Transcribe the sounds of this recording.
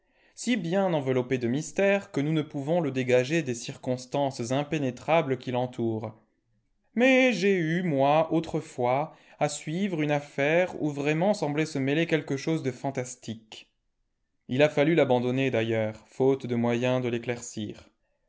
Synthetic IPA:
sibjɛ̃nɑ̃vəlɔped̪əmist̪ɛʁkənunəpuvɔ̃ləd̪eɡaʒed̪esiʁkɔ̃st̪ɑ̃szɛ̃penet̪χabləkʲilɑ̃t̪ʰuːʁ | mɛʒeymwaot̪χəfwa | asɥivʁynafɛʁṵvʁɛmɑ̃sɑ̃blɛsəmelekʲɛlkəʃozd̪əfɑ̃t̪ast̪ik | ilafalylabɑ̃d̪ɔned̪ajœʁfot̪d̪əmwajɛ̃d̪əleklɛʁsiːʁ

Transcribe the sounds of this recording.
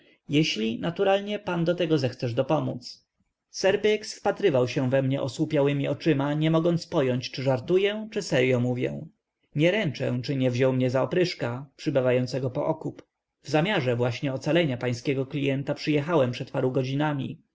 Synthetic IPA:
jɛɕlʲinat̪uɾalɲɛpand̪ɔt̪ɛɡɔzɛxt̪sɛʐd̪ɔpɔmut̪s | sɛɾbɛksfpat̪ɾɘvawɕɛ̃vɛmɲɛʔɔswupʲjawɘmʲiɔt͡ʂɘmaɲɛmɔɡɔnt̪spɔjɔɲt͡ɕt͡ʂɘʐaɾt̪ujɛt͡ʂɘsɛɾjɔmuvʲjɛ̰̃ | ɲɛɾɛnt͡ʂɛ̃t͡ʂɘɲɛvʑɔwmɲɛzaɔpɾɘʂkapʂɘbɘvajɔnt̪sɛɡɔpɔ̰ʔɔkup | vzamʲjaʐɛvwaɕɲɛɔt̪salɛɲapaj̃skʲɛɡɔklʲijɛnt̪apʂɘjɛxawɛmpʂɛt̪paɾuɡɔd͡ʑinamʲḭ

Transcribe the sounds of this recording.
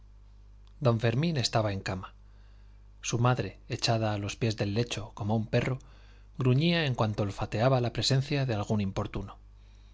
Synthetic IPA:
d̪õ̞ɱfe̞ɾmĩne̞st̪aβae̞ŋkama | sumaðɾe̞ːt͡ʃaðaːlo̞spje̞zðe̞lːe̞t͡ʃo̞ko̞moumpe̞ro̞ | ɣɾuɲiae̞ŋkwant̪o̞lfat̪e̞aβalapɾe̞se̞nθjaðe̞alɣ̞unimpo̞ɾt̪uno

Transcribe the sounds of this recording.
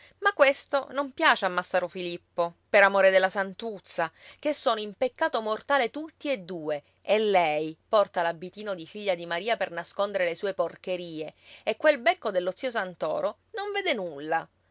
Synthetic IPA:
makːwest̪o̰nompjaːt͡ʃeamːasaɾofilipːopeɾamoːɾed̪elːasant̪ut̪sːak̟esːoːnoimpekːaːt̪omort̪aːlet̪ut̪ːied̪ːuːe | elːɛjpɔrt̪alabːit̪iːnod̪ifiʎːad̪imaɾiːapernaskond̪eɾelesuːeporkeɾiːeekːwelbɛkːod̪elːot̪sːiːos̬ant̪ɔ̰ːɾo | noɱveːd̪enulːa

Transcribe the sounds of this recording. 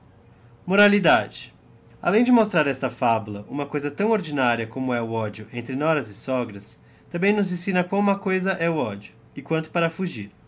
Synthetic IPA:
moɾalid̪ad͡ʒɪ | a̰lẽj̃d͡ʒɪmost̪ɾaɾɛst̪ɐfabulɐʔũmɐkojzɐt̪ɐ̃w̃oɾd͡ʒinaɾiɐkõmʊɛʊɔd͡ʒjʊʔẽnt̪ɾɪnɔɾɐzɪsɔɡɾɐs | t̪ɐ̃bẽj̃nʊ̃zĩsĩnɐkwɐ̃w̃umɐkojzɐʔɛʊɔd͡ʒjʊ | ɪkwɐ̃nt̪ʊ̥paɾɐfuʒiɾ

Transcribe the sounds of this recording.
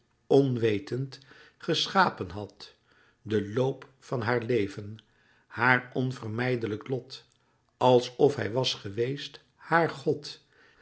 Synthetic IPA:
ɔnʋejtənt | χəsχaːpənɦɑt | dəlowpfɑnɦaːɹlejvən | haːɹɔnvərmɛjdələklɔt | ɑlˠsɔfɦɛjʋɑsχəʋejst | haːɹχɔt

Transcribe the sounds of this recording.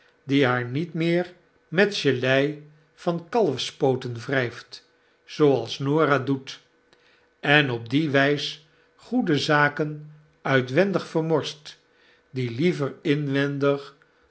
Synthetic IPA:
diɦaːɹnitmɪːɹ | mɛtʃəlɛj | v̥ɑnkɑlˠəfspowtənvrɛjft | z̥owɑlˠsnoːɾaːdut | ɛnɔb̚diʋɛjsə | χudəzaːkən | œɥtʋɛndəχfəɹmɔɹst | dilivəɹɪnʋɛndəχ

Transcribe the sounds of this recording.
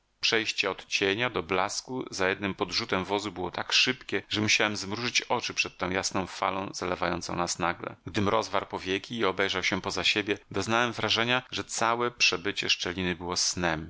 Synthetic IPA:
pʂɛjɕt͡ɕɛɔt̪t͡ɕeɲad̪ɔblaskuzajɛd̪nɘmpɔd̪ʐut̪ɛmvɔzubɘwɔt̪akʂɘpkʲɛʐɛmuɕawɛmzmɾuʐɘt͡ɕɔt͡ʂɘpʂɛt̪̚tːɔ̃w̃jasnɔ̃w̃fa̰lɔ̃w̃zalɛvajɔ̰nt̪sɔ̰̃w̃nasnaɡlɛ̰ɡd̪ɘmɾɔzvaɾpɔvʲjekʲiːɔbɛjʐawɕɛpɔzaɕebʲjɛd̪ɔznawɛmvɾaʐɛɲaʐɛt̪sawɛpʂɛbɘt͡ɕɛ̰ʂt͡ʂɛlʲinɘbɘwɔsnɛm

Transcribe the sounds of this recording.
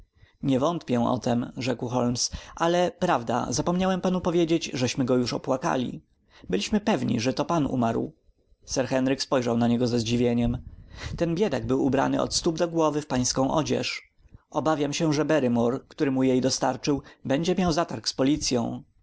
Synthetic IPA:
ɲɛvɔnt̪pʲjɛ̃ʔɔ̰t̪ɛmʐɛkwxɔlmsʔalɛpɾavd̪a̰zapɔmɲawɛmpanupɔvʲjed͡ʑed͡ʑʐɛɕmɘɡɔjuʂɔpwaka̰lʲḭ | bɘlʲiɕmɘpɛvɲḭʐɛt̪ɔpanṵmaɾw | sɛɾxɛnɾɘkspɔjʐawnaɲɛɡɔzɛzd͡ʑivʲjeɲɛmt̪ɛnbʲjɛd̪aɡ̚bɘwubɾa̰nɘ̰ɔ̰t̪st̪ubd̪ɔɡwɔvɘfpaj̃skɔ̃w̃ʔɔd͡ʑɛ̰ʂ | ɔbavʲjamɕɛʐɛbɛɾɘmɔɾkt̪uɾɘmujejd̪ɔst̪aɾt͡ʂɘwbɛɲd͡ʑɛmʲjawzat̪aɾkspɔlʲit̪sʲjɔ̰̃w̃

